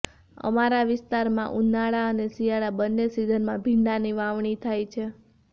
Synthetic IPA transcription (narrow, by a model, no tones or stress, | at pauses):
ə̰maɾaʋɪst̪aɾmã̰ʔunaɭaənesijaɭabənːesid̪ʱənmãbʱiɳɖaniʋaʋɳit̪ʰajt͡ʃʰe